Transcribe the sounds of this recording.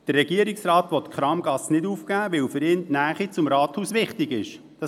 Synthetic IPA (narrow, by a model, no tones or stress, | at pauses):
d̪̥ərːɛɡiəɾiksɾɑːt̪ʋɔt̪kʰχɾɑːmɡ̥ɑsnɪduːfkæːʋɛwfʏɾɪːnnæːχit͡sʊmɾɑːt̪huːsʋɪχtɪɡɪʃ | d̥ɑ